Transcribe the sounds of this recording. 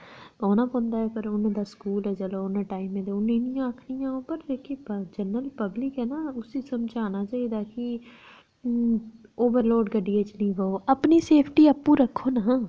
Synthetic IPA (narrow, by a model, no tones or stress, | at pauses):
oːnãːpõːnd̪aːɦɛːpəɾʊnãːd̪aːskuːlɛːd͡ʒəloːʊnãʈaːimẽːd̪eːʊnɪnɪjãːəkʰnɪjãːoːpəɾekʰid͡ʒənəlpəblɪkɦɛːnaːʊsiːsəmd͡ʒaːnaːt͡ʃaːiːd̪aːkɪ | oːʋəɾloːɖɡəɖːiːeːt͡ʃnĩːʋəoːʔəpniːseːpʰʈiːəpːũːɾəkʰːoːna